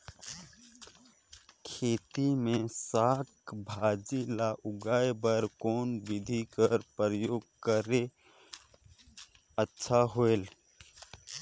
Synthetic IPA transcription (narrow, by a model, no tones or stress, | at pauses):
kʰeːt̪imẽsaːkbʱaːd͡ʒilaʔʊɡaebəɾkoːnbɪd̪ʱikəɾpɾəjoːɡ̚kəɾe | ətːʃʰaɦoel